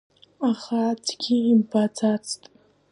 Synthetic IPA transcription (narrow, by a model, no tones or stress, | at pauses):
aχatʰɡʲiimbad͡zʰat͡sʰtʼ